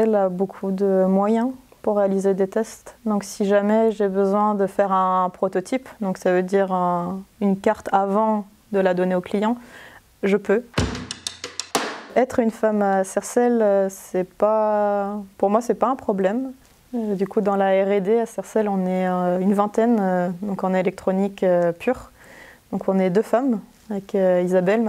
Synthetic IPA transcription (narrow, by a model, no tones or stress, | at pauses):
ɛlabokʰud̪əmwajɛ̃puʁːealized̪et̪ɛst̪d̪ɔ̃ksiʒamɛʒebəzwɛ̃d̪əfɛʁɛ̃pχɔt̪ɔt̪ʰipd̪ɔ̃ksavød̪iʁɛ̃ynkaʁt̪avɑ̃ | d̪əlad̪ɔneoklijɑ̃ | ʒəpø | ɛt̪χynfamasɛʁsɛløsɛpa | puʁmwasɛpaɛ̃pχɔblɛm | ød̪ykud̪ɑ̃laɛʁed̪easɛʁsɛlɔ̃nɛynvɛ̃t̪ɛnød̪ɔ̃kɑ̃nelɛk̚t̪χɔnikøpʰyʁ | d̪̥ɔ̃kɔ̃nɛd̪øfam | avɛkøizabɛl